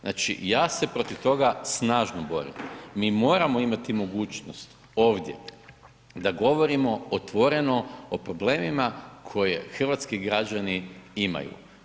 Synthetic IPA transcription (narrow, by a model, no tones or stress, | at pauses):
na̰ːt͡ʃḭjaːse̞pɾo̞t̪iʋt̪o̞ɡasnaːʒnobo̞ɾḭmmiːmo̞ːɾamo̞imat̪imo̞ɡuːt͡ʃnost̪ | o̞ːʋd̪ʲjḛ | d̪aɡo̞ʋo̞ɾimo̞ot̪ʋo̞ɾe̞no̞opɾo̞bleːmimakʰo̞jexr̩ʋat̪skiɡɾad͡ʑaniima̰jṵ